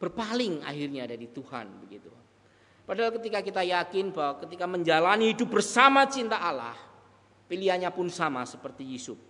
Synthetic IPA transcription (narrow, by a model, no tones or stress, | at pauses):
b̥ərpalɪŋa̰ɦɪrɲadaɾit̪uha̰nbəɡit̪u | padaɦalkət̪ikakit̪ajakɪnbawakət̪ikaməɲd͡ʒalaniːdʊbərsamat͡ʃint̪aːla̰h | piliaɲapʊnsamasəpərt̪ijusʊp̚